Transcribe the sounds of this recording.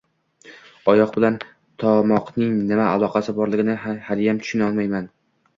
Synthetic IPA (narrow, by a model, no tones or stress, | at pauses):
ɒjɒq̚bɪlan | t̪ʰɒmɒqnɪŋnɪmaːlˠɒqʰɑsɪbɒɾlɪɡʲɪnɪhaljamt̪ʰʊ̥ʃɪnɒlˠmajman